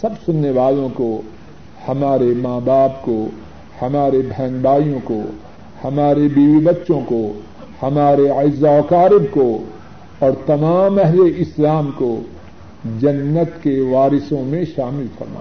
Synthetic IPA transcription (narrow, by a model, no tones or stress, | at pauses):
sɐbsʊnːeʋaːlõko | hɐmaːɾemaːbaːpko | hɐmaːɾebʱɛ̃ːŋɡbaːijõko | hɐmaːɾebiːʋibɐtːʃõko | hɐmaːɾeaɪzːaokaːɾɪb̚ko | ɔːɾt̪ɐmaːmɛɦleɪslaːmko | d͡ʒɐnːət̪keʋaːɾɪsõmẽʃaːmɪlfɐ̰ɾma̰ː